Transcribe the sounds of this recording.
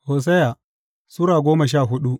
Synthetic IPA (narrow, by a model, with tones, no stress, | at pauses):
hoː˨s̬ɛ˦ja˨ | sʊ˦ɾaː˨ɡʷoː˦mɐ˨ʃ̬aː˦˨ɦʊ˦ɗu˦